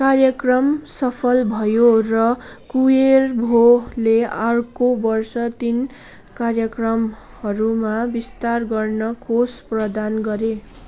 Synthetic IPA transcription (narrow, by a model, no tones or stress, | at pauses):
karjʌkrʌmsʌpʰʌlbʱʌjorʌkuerbʱolearkobʌrsʌt̪in | karjʌkrʌm | hʌɾumabist̪arɡʌrnʌkosprʌd̪anɡʌɾe